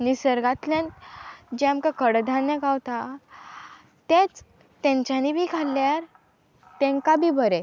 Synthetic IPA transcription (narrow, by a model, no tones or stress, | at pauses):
nisəɾɡat̪ljãnd͡ʑɛamkakəɽd̪ʱanːəɡawt̪a | t̪ẽt͡s | t̪ẽɲt͡ɕanibʱikʰalːjaɾ | t̪ẽŋkabʱiːbəɾe